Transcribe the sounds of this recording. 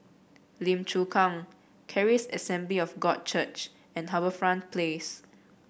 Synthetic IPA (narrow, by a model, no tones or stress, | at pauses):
lĩmt͡ʃukʰãŋ | kʰɛɹisəsɛ̃mbliɔfɡɔd̚t͡ʃət͡ʃ | ɛ̃nɦabəfɹãnpʰles